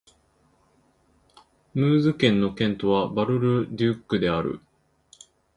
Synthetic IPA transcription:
mɯːzɨkẽ̞nːo̞kẽ̞nt̪o̞βabaɾɯ̟ɾɯ̟d̪ʲɯkːɯ̟d̪e̞aɾɯ̟̰

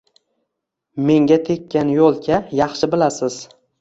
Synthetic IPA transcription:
me̞ŋɡʲat̪ʰe̞kʲʰːanjolˠkʲʰajɑχʃɪbɪlasɪz̥

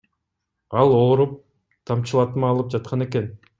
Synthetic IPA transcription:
ɑlˠoːɾup̚ | t̪ʰɑmt͡ʃɯlˠɑt̪mɑːlˠɯp̚d͡ʒɑt̪̚qʰɑne̞ke̞n

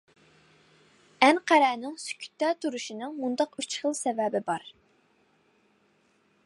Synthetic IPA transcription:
ɛnqʰæɾɛːnɪŋsy̥kʲʰy̥t̪ːɛt̪ʰuɾuʃinɨŋmund̪ɑqyt͡ʃχəlˠsɛvɛbɪbɑɾ

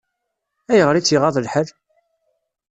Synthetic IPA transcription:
æjəʁɾit͡sːiʁɑðˤəlħəɾ

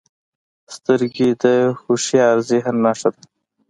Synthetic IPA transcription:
st̪əɾɡid̪əxuʃiaɾziɦannaʂad̪a

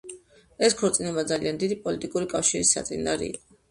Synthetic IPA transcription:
ɛskʰɔɾt̪ʼinɛbad̪zaliand̪id̪ipʼɔlit̪ʼikʼuɾikʼafʃiɾisːa̰t̪sʼinaɾḭːqʼɔ

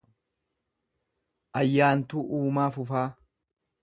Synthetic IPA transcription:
ʔɐjːaːnt̪uːʔuːmaːfʊfaː

